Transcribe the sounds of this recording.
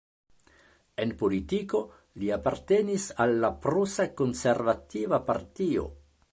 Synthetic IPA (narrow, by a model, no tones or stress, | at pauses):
e̞npolitiko̞ | liapaɾte̞nisalːapɾusako̞nse̞ɾvativapa̰ɾtio̞̰